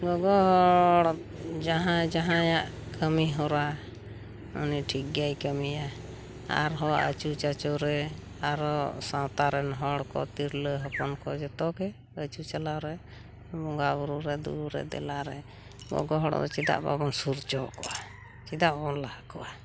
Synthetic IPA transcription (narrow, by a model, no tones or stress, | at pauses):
ɡɔɡɔɦɔɽ | d͡ʒaɦãd͡ʒaɦãjaʔ | kʰəmiɦɔɾa | ɔ̰niʈʰikːajkəmija | a̰ɾɦɔa̰ʔə̰t͡ʃut͡ʃat͡ʃɔɾɛ | aɾɔsãwt̪aɾɛnɦɔɽkɔ̰t̪iɾləɦɔpɔnkɔd͡ʒɛt̪ɔkɛ | ət͡ʃut͡ʃalawɾɛ | bɔŋɡabuɾuɾɛd̪ṵɾuɾɛ̰d̪ɛ̰laɾɛ | ɡɔ̰ɡɔɦɔɽɔ̰d̪ɔ̰t͡ʃid̪a̰ʔba̰bɔnsuɾt͡ʃɔkɔʔa | t͡ʃid̪aʔbabɔnlahakɔʔa